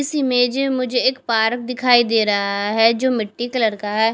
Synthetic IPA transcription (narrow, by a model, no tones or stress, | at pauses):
ɪsimẽːd͡ʒemʊd͡ʒʱeɪkpaːɾək̚d̪ɪkʰaːiːd̪eːɾəɦaɦɛːd͡ʒoːmɪʈːiːkələɾkaːɦɛː